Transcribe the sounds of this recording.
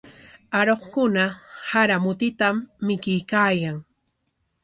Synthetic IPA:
aɾoχkʊnahaɾamʊt̪ɪt̪amːɪkɪjkaːjaŋ

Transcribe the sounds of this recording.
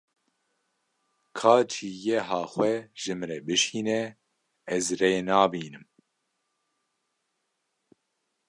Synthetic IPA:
kʰɑːt͡ʃʰiːjɛɦɑːxwɛʒɨmɾɛbɨʃiːnɛ | ɛzreːnɑːbiːnɨm

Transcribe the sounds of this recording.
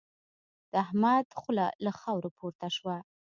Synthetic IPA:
d̪̥əahmad̪xʊla̰laxɑwɾopʰoɾt̪aʃwa

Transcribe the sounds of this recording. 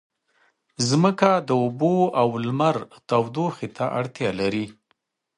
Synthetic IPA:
zməkad̪əʊboawlmaɾt̪awd̪oxet̪ʰaʔaɽt̪jɑlaɾi

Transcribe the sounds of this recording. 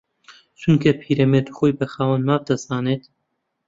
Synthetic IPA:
t͡ʃʰunkʰɐpʰiːɾɐmeːt̪u̥xoːjbɐxaːwɐnmaːb̚d̪ɐzaːneːt̪

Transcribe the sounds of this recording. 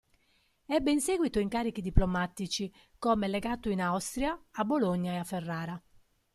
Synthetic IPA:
ɛbːɛinseːɡwit̪oiŋkaːɾik̟id̪iplɔmat̪ːit͡ʃi | kɔmɛlɛɡaːt̪oinawst̪ɾjaːbːoloɲːaɛafːɛrːaːɾa

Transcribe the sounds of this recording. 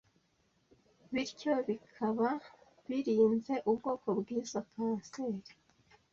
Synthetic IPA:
βiɾco̞βikʰaβa | βiɾiːnze̞ʔubɡo̞ːko̞bɡiːzakaːnse̞ːɾi̥

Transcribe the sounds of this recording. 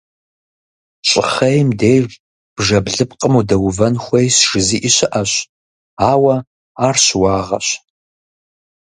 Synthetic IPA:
ɕʼɪ̰χɐjmdejr | b̥ʐɐbɮɨpqʼəmudɐwʊvɐnxʷɐjsʒ̥ɨziːʔiɕɪʔɐɕ | aːwɐ | aːrɕwɑːʁɐ̰ɕ

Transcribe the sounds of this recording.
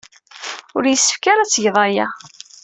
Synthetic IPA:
ʊɾjəsːə̥fkaɾæt͡sːʝəðˤɑja̰

